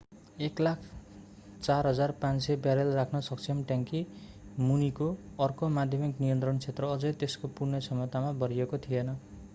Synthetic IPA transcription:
eklakʰ | t͡sarɦʌd͡zarpãnsebjaɾelrakʰnʌsʌkt͡sʰimʈjaŋki | munikoʌrkomad̪ʱjʌmiknijʌnt̪rʌnt͡sʰet̪rʌːd͡zʌjt̪eskopurnʌsʰʌmʌt̪amabʌɾijekot̪ʰijenʌ

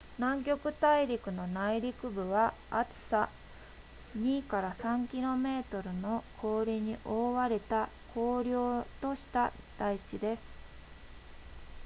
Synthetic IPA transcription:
nãŋk̬ʲo̞kɯ̟t̪aiɾʲikɯ̟no̞naiɾʲikɯ̟bɯ̟βaː | t͡sɨ̥sa | ɲ̟iːkaɾasãŋkʲiɾo̞me̞ːt̪o̞ɾɯ̟no̞kʰo̞ːɾʲiɲ̟iʔo̞ːβaɾe̞t̪akʰo̞ːɾʲjo̞ːt̪o̞ɕi̥t̪a | d̪̥ait͡ɕid̪e̞sɨ̥

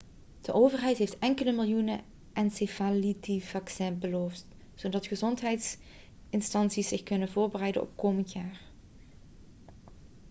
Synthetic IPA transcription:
d̥əʔowvərɦɛjtɦeftɛŋkələmɪlˠjunə̰ | ʔɛnsefalitivɑksɛːnbəloːft | z̥odɑtχəzɔntɦɛjts | ɪnstɑnsisɪxkɵnənvʊːɹbərɛjdə̰ʔɔ̰pkowməntjaːɹ

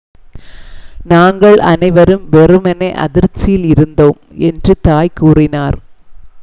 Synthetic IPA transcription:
naːŋɡɐɭɐ̰nɐɪʋɐɾɯmʋɛrɯmɐnɐʔɐ̰ðɪɾt͡ʃːɪjɪlɪɾɯnd̪oːmɛndrɯt̪aːjkuːrɪnaːɾ

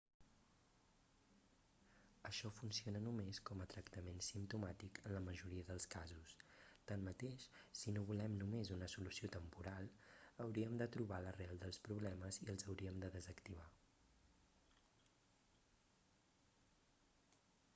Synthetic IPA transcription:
əʃɔfunsionənumeskɔmət̪ɾəkt̪əmensimt̪umat̪ikʰənləməʒuɾiəðəlˠskazust̪anmət̪eʃsinoβulɛmnumezunəsulusiot̪əmpuɾalˠəwɾiəmd̪ət̪ɾuβalərɛlˠd̪əlˠspɾuβlɛməziəlˠzəwɾiəmd̪əðəzəkt̪iβ̞a

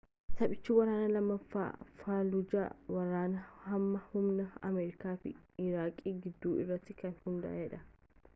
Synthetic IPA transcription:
sɐpʼɪt͡ʃːuːwɐɾaːnɐlɐmːɐfːa̰ːfaːlʊd͡ʒa̰ːwɐɾaːnɐhɐmːɐhʊmnɐɐ̰mɛːɾɪkaːfɪ̰ɪɾaːkʼiːɡɪd̪ːuːʔɪrːɐt̪ːɪkɐnhʊnd̪ɐ̰ʔaɛᶑɐ

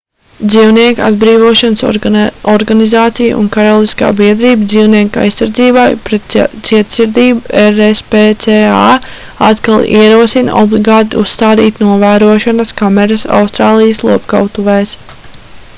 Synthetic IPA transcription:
d̪ziːwniɛka̰d̪bɾiːvuɔʃansɔɾɡanizaːt̪sij̰ṵnkaɾolˠiska̰ːbiɛd̪ɾiːbd̪ziːwniɛka̰jsːaɾd̪ziːbajpɾɛt̪̚t̪siɛt̪siɾd̪iːbueɾespeːt̪sea | at̪kalˠiɛɾuɔsin̰ɔ̰blˠiɡaːt̪iusːt̪aːd̪iːt̪nuɔvæːɾuɔʃanɐskamɛɾasa̰wst̪ɾaːlˠijəslˠuɔpka̰wt̪uvɛːs

